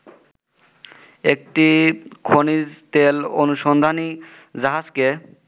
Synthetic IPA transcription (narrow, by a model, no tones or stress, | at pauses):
ek̚ʈikʰonid͡ʑt̪elonuʃɔnd̪ʱani | d͡ʑaɦazke